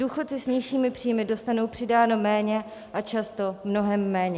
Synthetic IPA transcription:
duːxo̞t̪sɪsɲɪʃiːmɪpr̥iːjmɪdo̞st̪anowpr̝̥ɪdaːno̞mɛːɲɛ | ʔat͡ʃast̪o̞mno̞ɦɛmːɛːɲɛ

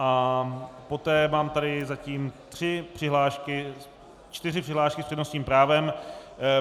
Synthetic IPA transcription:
ʔa | pot̪ɛːmaːmt̪aɾɪzaciːmt̪r̝̥ɪpr̥ɪɦlaːʃkɪ | t͡ʃt̪ɪrɪpr̥ɪɦlaːʃkɪsprɛdnosɲiːmpɾaːvɛm

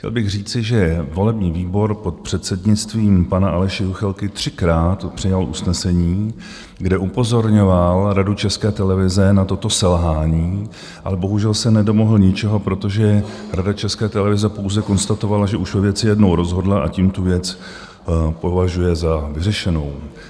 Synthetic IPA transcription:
cʲɛ̰lbɪɣr̝iːt͡sɪʒɛvo̞lɛbɲiːviːbo̞ɾpot̪pr̝̥ɛt̪sɛdɲɪt͡st̪viːmpanaʔalɛʃɪuxɛlkɪt̪r̥ɪkɾaːt̪pr̥ɪjalʔṵsnɛsɛɲiː | ɡdɛʔupo̞zo̞ɾɲo̞valɾadut͡ʃɛskɛːt̪ɛlɛvɪzɛnat̪o̞t̪o̞sɛlɦaːɲiː | ʔalɛbo̞ɦuʒɛlsɛnɛdo̞moɦl̩ɲɪt͡ʃɛɦo̞pɾo̞t̪o̞ʒɛ | ɾadat͡ʃɛskɛːt̪ɛlɛvɪzɛpo̞wzɛko̞nst̪at̪o̞valaʒɛʔuʃvɛvjɛt͡sɪjɛdno̞wɾo̞zɦo̞dlaʔa̰ciːmt̪uvjɛt͡s | po̞vaʒujɛzavɪrɛʃɛno̞w

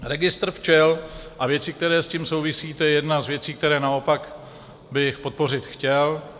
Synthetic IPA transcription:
ɾɛɡɪst̪ɾ̩ft͡ʃɛlʔavjɛt͡sɪk̚t̪ɛɾɛːsciːmsowvɪsiːt̪ɛjɛjɛdnazvjɛt͡siːk̚t̪ɛɾɛːnao̞pak | bɪxpo̞t̪̚po̞r̝ɪt̪xcɛl

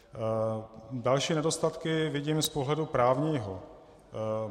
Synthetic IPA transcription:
dalʃiːnɛdo̞st̪at̪kɪvɪɟiːmspoɦlɛdupɾaːvɲiːɦo

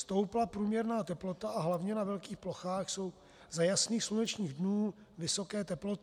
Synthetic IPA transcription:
st̪owplapɾuːmɲɛɾnaːt̪ɛplo̞t̪aʔaɦlavɲɛnavɛlkiːxploxaːxso̞w | zajasniːxslunɛt͡ʃɲiːɣdnuː | vɪso̞kɛːt̪ɛplo̞t̪

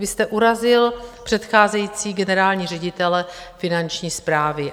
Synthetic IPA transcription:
vɪst̪ɛʔuɾazɪlpr̝̥ɛt̪xaːzɛjiːt͡siːɡɛnɛɾaːlɲiːr̝ɛɟɪt̪ɛlɛ | fɪnant͡ʃɲiːspɾaːvɪ

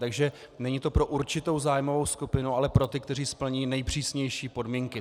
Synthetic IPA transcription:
t̪aɡʒɛ | nɛɲit̪o̞pɾo̞ʔuɾt͡ʃɪt̪o̞wzaːjmo̞vo̞wskupɪnualɛpɾo̞t̪ɪk̚t̪ɛriːspl̩ɲiːnɛjpr̝̥iːsɲɛjʃiːpo̞dmiːŋkɪ

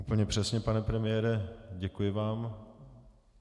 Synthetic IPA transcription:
upl̩ɲɛpr̥ɛsɲɛpanɛpɾɛmɪjɛːɾɛɟɛkujɪvaːm

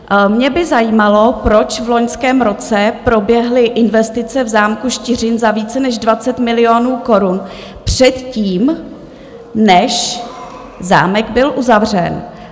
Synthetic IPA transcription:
mɲɛbɪzajiːmalo̞pɾo̞t͡ʃvlo̞ɲskɛːmɾo̞t͡sɛpɾo̞bjɛɦlɪʔɪnvɛst̪ɪt͡sɛvzaːmkuʃt̪ɪr̝ɪnzaviːt͡sɛnɛʒdvat͡sɛt̪mɪlɪo̞ːnuːko̞ɾun | pr̥ɛt̪ciːm | nɛʃ | za̰ːmɛɡbɪlʔuzavrɛ̰n

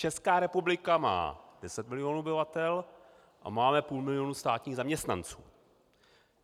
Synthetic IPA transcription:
t͡ʃɛskaːɾɛpublɪkama̰ːd̥ɛsɛt̪̚mɪlɪjoːnuobɪvat̪ɛl | ʔa̰maːmɛpuːlmɪlɪjonust̪aːt̪ɲiːɣzamɲɛst̪na̰nt͡sṵː

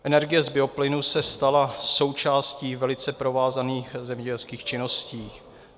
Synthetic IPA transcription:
ʔɛnɛɾɡɪjɛzbɪo̞plɪnusɛst̪alaso̞wt͡ʃaːsciːvɛlɪt͡sɛpɾo̞vaːzaniːxzɛmɲɛɟɛlskiːxt͡ʃɪno̞sciː

